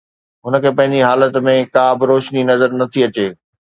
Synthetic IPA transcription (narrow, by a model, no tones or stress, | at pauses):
ɦʊnə̆kʰeːpɐ̃ɦɪ̃ɲd͡ʑiɦaːlət̪mẽkaːbɪɾoːʃninɐzəɾnɐt̪ʰiɐt͡ɕeː